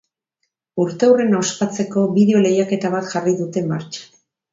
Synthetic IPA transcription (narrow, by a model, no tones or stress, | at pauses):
uɾt̪e̞wre̞nawspat͡se̞ko̞βiðe̞o̞le̞jake̞t̪aβ̞at̪ʝariðut̪e̞maɾt͡ʃḁ